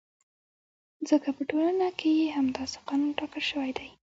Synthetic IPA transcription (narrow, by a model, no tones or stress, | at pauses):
zəkapəʈolanakejeɦamd̪ɑse̥qɑnunʈɑkəlʃəwajd̪aj